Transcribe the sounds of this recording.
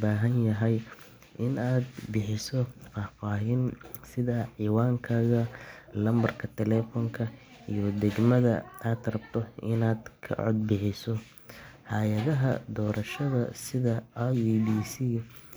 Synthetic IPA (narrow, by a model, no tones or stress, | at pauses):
baːɦɐnjɐɦɛj | ʔɪnaːd̪bɪħɪsɔfaːfaːɦinsɪðɐʕiːwaːŋkʰaːɣɐlɐmbɐrkʰɐt̪ʰɛlɛːfɔŋkʰɐ | ijɔd̪ɛɡmɐðɐ̰aːd̪rɐb̚t̪ʰɔɪnaːd̪kʰɐ̰ʕɔ̰d̪̚bɪħɪsɔ | ħɑjɐðɐɦɐ̰d̪ɔːɾɐʃɐðɐ̰sɪðɐːbiːsiː